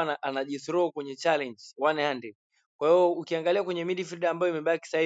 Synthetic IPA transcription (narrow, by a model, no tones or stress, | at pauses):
naʔanaʄiθɾɔkwɛɲɛt͡ʃalɛɲd͡ʒwanhandɛ | kwahiɔukiaŋɡaliakwɛɲɛmiɗifiɗaːmbajɔimɛɓaki̥sahi